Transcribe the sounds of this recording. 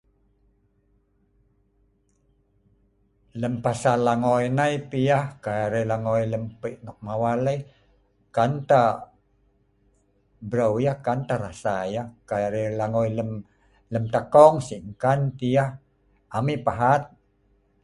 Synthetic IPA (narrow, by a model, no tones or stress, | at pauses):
ləmpasalaŋojnajpijahkaaɾelaŋojləmpəʔnɔk̚mawalə | kant̪a | bɾawjahkant̪aɾasajahkaaɾelaŋojləm | ləmt̪akɔŋsiʔŋkant̪ijah | amipaɦat̪̚